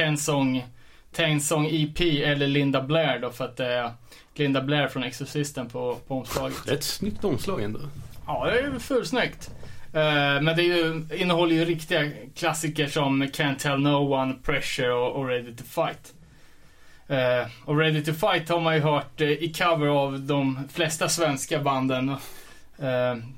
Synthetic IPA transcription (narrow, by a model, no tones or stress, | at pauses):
ɛnsɔŋ | t̪ʰɛnsɔŋːipʰiːɛlːəɭɪnd̪ablæːɾɖɔfœɾat̪̚d̪ɛæɾ | lɪnd̪ablæːɾfɾɔnɛksɔsɪst̪ənpʰɔpʰɔɔmslɑːɡət̪ɛɛt̪snʏkt̪ɔmslɑːɡɛ̰nd̪ɔ̰ɑːd̪ɛæɾfʉːlsnœkt̪ː | mɛnd̪ɛːjɵɪnːəhɔlːəjɵɾɪkt̪ɪɡakʰlasːɪkəʂɔmkʰɛnt̪ʰɛlnoʊwanpʰɾɛʂəɾɔʔɔɾɛd̪ɪt̪ʰɪvfaɪt̪ | ɔɾɛd̪ɪt̪ɪvfajt̪haɾmanjɵɦœːʈɪkʰavəɾavd̪ɔmflɛst̪asvɛnskaband̪ən